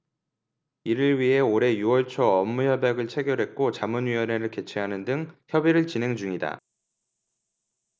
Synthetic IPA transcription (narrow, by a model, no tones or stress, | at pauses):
iɾɯɭɥiɦe̞oɾe̞juwʌɭt͡ɕʰʌʌmːuçjʌbjaɡɯɭt͡ɕʰe̞ɡjʌɾɦe̞k̚k͈ot͡ɕamunɥiwʌnɦe̞ɾɯɭke̞t͡ɕʰeɦanɯndɯŋçjʌbiɾɯɭt͡ɕine̞ŋd͡ʑuŋida̰